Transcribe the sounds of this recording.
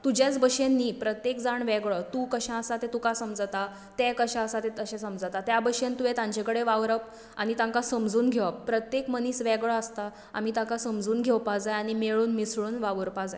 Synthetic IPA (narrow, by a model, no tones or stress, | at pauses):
t̪ud͡ʑjat͡sbəɕenːiːpɾət̪jekd͡zaɳʋɛɡɭət̪ukəɕãəsat̪et̪ukasəmd͡zt̪a | t̪ekəɕãəsat̪et̪əɕẽsəmd͡zt̪at̪jabəɕẽnt̪uʋet̪ãɲt͡ɕekəɽeʋaʋɾəp | aɽ̃it̪ãŋkasəmd͡zuːnɡʱeʋapːɾət̪jekməniːsʋɛɡɭəəst̪a | a̰m̤iːt̪ãkasəmd͡zuːnɡʱewpad͡zajaɽ̃imeɭuːnmisɭuːnʋaʋɾpad͡zaj